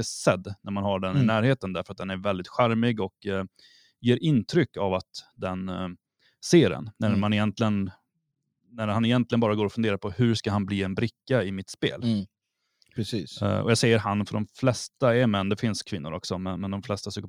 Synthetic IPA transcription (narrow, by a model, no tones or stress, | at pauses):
əsɛd̪ːnæɾmanhaɖɛnɪnæːɾheːt̪ənd̪æɾfœɾat̪̚d̪ɛnæɾvɛld̪ɪt̪ɧæɾmɪɡɔk | jeːɾʔɪnt̪ʰɾʏkːavat̪d̪ɛn | seːɾɛ̰nːæɾmanɪjɛnt̪ʰlɪən | næɾhanɪjɛnt̪lɪənbɑːɾaɡoːɾɔfɵneːɾaɾpʰɔhɵɾʂkaɦanbliːɛnbɾɪkːaɪmɪt̪spḛːl | ɾɛsiːɔ̰jaːsɛjːəɾɦanːfœɖɔmflɛst̪aɛɾmɛnːd̪ɛfɪnskʰvɪnːʊ̰ɾɔ̰ksɔmɛnmɛnd̪ɔmflɛst̪asyːkə